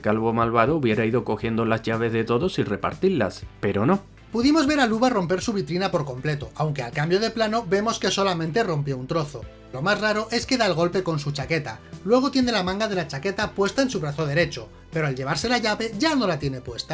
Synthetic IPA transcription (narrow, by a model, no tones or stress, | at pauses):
kalβomalβaðouβje̞ɾaiðo̞ko̞xjend̪olazʝaβ̞e̞zðe̞t̪o̞ðo̞sire̞pa̰ɾt̪ila̰spe̞ɾono̞ | puðimo̞zβe̞ɾaluβaro̞mpe̞ɾsuβ̞it̪ɾinapo̞ɾko̞mple̞t̪o̞ʔawŋke̞alkambjo̞ð̞e̞plano̞be̞mo̞ske̞so̞lamẽ̞nt̪e̞ro̞mpjo̞unt̪ɾo̞θo̞ | lo̞mazraɾo̞ʔe̞ske̞ðaelɣo̞lpe̞ko̞nsut͡ʃake̞t̪alwe̞ɣ̞o̞t̪jene̞lamãŋɡað̞e̞lat͡ʃake̞t̪apwe̞st̪aensuβɾaθo̞ð̞e̞ɾe̞t͡ʃo̞ | pe̞ɾoelʎe̞βaɾse̞laʝaβe̞ʝano̞lat̪je̞ne̞pwe̞st̪a